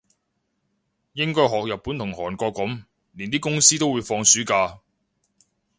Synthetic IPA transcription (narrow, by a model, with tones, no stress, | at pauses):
jɪ˥ŋkɔː˥jɦɔː˨k̚jɐ˨˩pːuː˨˥nt̪ʰʊ˨˩ŋhɔː˨˩nkɔː˧kːʊ˨˥m | li˨nt̪iː˥kʊ˥ŋsiː˥t̪o˥wu˨˧jfɔː˧ŋsyː˨˥kaː˧